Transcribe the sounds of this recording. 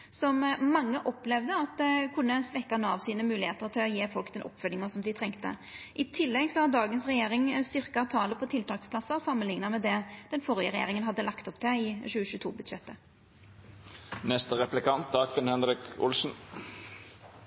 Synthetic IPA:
sɔmmɑŋːəʔɔplɛʋd̪əɑt̪̚d̪kʰʊnːəsʋɛkːɑnəɑʋsiːnəmʉːlɪheːt̪əɾt̪ʰɪlɔjeːfɔlkd̪ɛnʔɔ̰pːfœlːɪŋəsɔmd̪ɪt̪ʰʁɛŋkt̪ə̰ʔɪt̪ʰɪlːɛɡsɔhɑɾd̪ɑːɡənsʁɛjeːɾɪŋst̪ʏʁkɑt̪ʰɑːləpʰɔt̪ʰɪlt̪ʰɑːkspʰlɑsːəsɑmːənlɪŋnəmɛd̪ɛd̪̥ɛnfɔɾɪəɾɛjḛːɾɪŋənɦɑd̪ːəlɑkt̪ɔpd̪ʰɛɪɕʉːəɕʉːt̪ʰṵːbʉd̪ɕɛt̪ːə | nɛst̪əʁɛplɪkʰɑnt̪̚d̪ɑːkfɪnhɛnɾɪkʊ̰lsn̩

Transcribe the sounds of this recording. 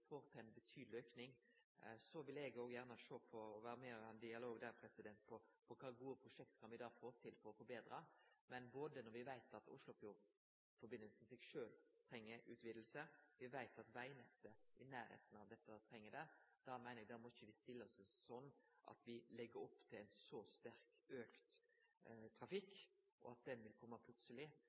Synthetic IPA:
foːɾt̪ʰæɪnbət̪ʰyːd̪lɪœʏpnɪŋ | sɔʋɪlɛɡoːɡjæʁnəʃoːpʰɔɔʋæːɾəmɛɔʋɛnd̪ɪɑloːɡd̪æːɾpʰɾɛsɪd̪ɛnt̪̚pʰɔpʰɔkʰɑːɡuːəpʰɾʊʂɛk̚t̪kʰɑnʋɪd̪ɑːfoːt̪ʰɪlfɔɾɔfɔɾbeːd̪ɾɑmɛnboːd̪ənɔɾʋɪʋæɪt̪ɑt̪ʊ̰ʂlʊfjuːʁ | fɔɾbɪnːəlsəmɛsɛɡʂøːlt̪ʰɾɛŋːəɾʉːt̪ʋɪːd̪l̩səʋɪʋæɪt̪ɑt̪ʋæɪnɛt̪ːəʔɪnæːɾhḛːt̪n̩ɑʋd̪ɛt̪ːət̪ʰɾɛŋːəd̪ɛd̪̥ɑmæɪnəɾɛɡd̪ɑɾmɔɪçːəʋɪst̪ɪlːəɔssɔnːʔɑ̰t̪ʋɪlɛɡːəɾɔpːt̪ʰɪlæɪnsɔst̪æɾkøːkt̪ | t̪ʰɾɑfɪkː | ʔɔ̰ɑt̪̚d̪ɛnʋɪlkʰɔmːəpʰlʉt̪səlɪ

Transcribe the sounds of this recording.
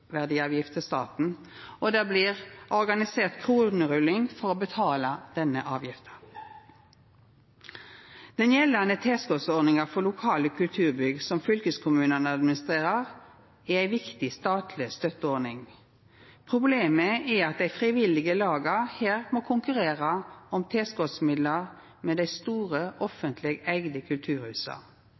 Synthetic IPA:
ʋæʁd̪iːɑːʋjɪft̪əst̪ɑ̰ːt̪n̩ | ɔd̪æːbliːʁʔɔʁɡɑnɪseːʁt̪kʰʁuːnəʁʉlɪŋfɔʁobət̪ʰɑːlɑd̪̥ɛnːəʔɑːʋjɪft̪ə̥ | d̪̥ɛnjɛlːənət̪ʰeːskɔsɔɾnɪŋɑfɔlʊkʰɑːləkʰʉlt̪ʰʉːʁbʏɡsɔmfʏlkəskʰʊmʉːnənəɑd̪mɪnɪst̪ʁeːʁəʁ | æʁæɪʋɪkt̪ɪst̪ɑːt̪ʰlɪst̪œt̪əɔɾnɪŋ | pʰʁʊbleːməɛɑt̪̚d̪æɪfʁɪʋɪlɪɡəlɑːɡəheːʁmoːkʰʊŋkʉʁeːʁəɔmt̪ʰeːskɔsmɪd̪ləʁ | meːd̪æɪst̪uːʁəʔɔfənt̪ʰlɪɡæɪɡd̪əkʰʉlt̪ʰʉːɾhʉːsɑ̰

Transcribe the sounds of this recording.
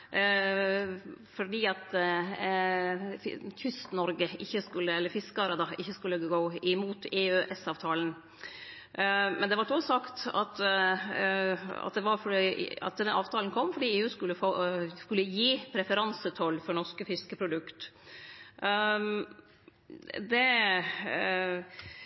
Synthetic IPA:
fɔɖiːɑt̪ | çʏst̪nɔɾɡəɪçːəskʉlːəɛlːəɾfɪskəɑɾɑd̪ɑɪçːəskʉlːəɡoːɪmuːt̪ʰeːøːʔɛsɑːʋt̪ʰɑːlən̩ | mɛnd̪ɛʋɑɾt̪osɑkt̪ɑ̰t̪ | ɑ̰t̪̚d̪ɛʋɑɾfɔɖiːɑ̰t̪d̪ɛnɑːʋt̪ʰɑːlənkʰɔmːfɔɖiːeːʉːskʉlːəfoːskʉlːəjiːpʰɾɛfəɾɑnsət̪ʰɔlːfɔɾɳɔʂkəfɪskəpʰɾʊd̪ʉkt̪ | d̪ɛ

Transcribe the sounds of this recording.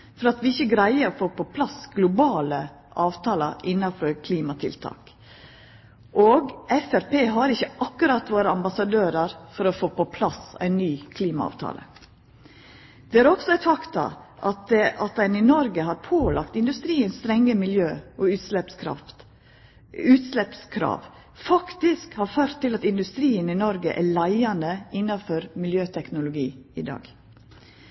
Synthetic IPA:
fɔɾɑt̪ʋɪɪçəɡɾæɪəɾɔfoːpɔpʰlɑsɡlʊbɑːlə | ʔɑːʋt̪ʰɑːlɑʔɪnːɑfɔɾkʰliːmɑt̪ʰɪ̰lt̪ʰɑ̰ːk | ʔoːɡʔɛfæɾpeːɦɑɾɪçːəɑkːʉɾɑt̪ʋoːɾəɑmbɑsɑd̪øːɾɑɾfɔɾɔfoːpɔpʰlɑsæ̰ɪnːyːkʰliːmɑ̰ɑ̰ːʋt̪ʰɑ̰ːlə̰ | d̪̥ɛæɾɔksɔæɪt̪fɑkt̪ɑ̰ʔɑt̪ɑt̪̚d̪ɛnɪnɔɾɡəɦɑːɾpʰoːlɑkt̪ɪnd̪ʉst̪ɾiːənst̪ɾɛŋːəmɪljøːʔɔʉt̪slɛpskʰɾɑ̰ | ʉːt̪slɛpskʰɾɑ̰ːʋ | fɑkt̪ɪskhɑɾføːɾt̪ʰːɪlɑt̪ɪnd̪ʉst̪ɾiːənɪnɔɾɡəʔæɭæɪɑnd̪əɪnːɑfɔɾmɪljøːt̪ʰɛknʊlʊɡiːɪd̪ɑ̰ːɡ̥

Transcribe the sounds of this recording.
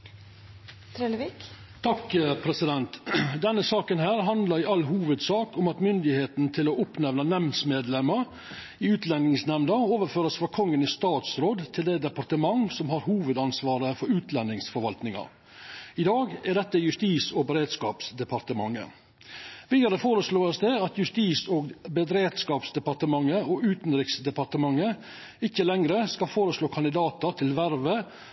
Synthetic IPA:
t̪ʰɾeːləʋik | t̪ʰɑkpʰɾɛsɪd̪ɛnt̪d̪ɛnːəsɑːkənɦæːɾɦɑnd̪lɑɾɪʔɑlːɦuːʋəd̪sɑːkʊmɑt̪mʏnd̪ɪheːt̪nt̪ʰɪloːʔʊpnɛʋnənɛmnsmeːd̪lɛməɾ | ɪʉːt̪lɛnɪŋsnɛʋnəoːʋəɾføːɾəsfɾɑkʰɔŋːənɪst̪ɑːt̪sɾoːd̪t̪ʰɪld̪ɛːd̪ɛpɑɾt̪əmɑŋsɔmɦɑɾhuːʋəd̪ɑnsʋɑːɾəfɔɾʉːt̪lɛnːɪŋsfɔɾʋɑlt̪nɪŋɑ̰ | ɪd̪ɑːɡæɖ̪ɛt̪ːəjʉst̪iːsɔbəɾeːd̪skɑːpsd̪ɛpʰɑɾt̪əmɑŋːə̰ | ʋiːd̪ɑɾəfoːɾəsloːəsd̪ɛɑt̪jʉst̪iːsoːɡbəd̪ɾeːd̪skɑːpsd̪ɛpɑɾt̪əmɑŋːəɔʉːt̪nd̪ɾɪksd̪ɛpɑɾt̪əmɑŋːə | ɪçːəlɛŋɾəskɑfoːɾəsloːkʰɑnd̪ɪd̪ɑːt̪ɑt̪ʰɪlʋæɾʋə

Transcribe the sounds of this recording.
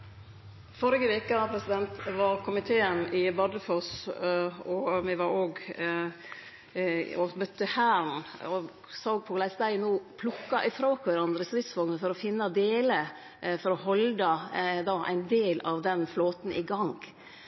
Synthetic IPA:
fɔɾɪɡəʋeːkəpʰɾɛsɪd̪ɛnt̪ʋɑɾkʰʊmɪt̪ʰeːənɪbɑd̪əfɔs | ɔmɛʋɑɾoːɡ | ɔmœt̪ːəhæːɾn̩ɔ | sɑoːɡ̚pʰɔlæɪsd̪æɪnoːpʰlʊkːɑʔɪfɾoːkʋæɾɑnd̪ɾəsɾɪt̪sʋɔɡnəfɔɾɔfɪnːɑd̪eːlə | fɔɾɔhɔld̪ɑd̪ɑːʔæ̰ɪnd̪eːlɑʋd̪ɛnfloːt̪n̩ʔɪɡɑŋɡ

